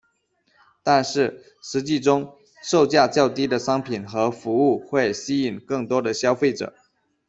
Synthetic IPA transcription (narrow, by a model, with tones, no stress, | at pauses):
t̪a˥˧nʂɻ̩˥˩ | ʂɻ̩˧˥t͡ɕi˥˩ʈ͡ʂʊ˥ŋ | ʂo˥˧ʊt͡ɕja˥˧t͡ɕjɑ˥˩ʊt̪i˥d̪ə˨ʂɑ˥ŋpʰi˨˩nxɤ˧˥fu˧˥u˥˩xwe˥˩ɪɕi˥i˨˩ŋkɤ˥˩ŋt̪wɔ˥d̪ə˨ɕjɑ˥ʊfe˥˩ɪʈ͡ʂɤ̰˨˩˦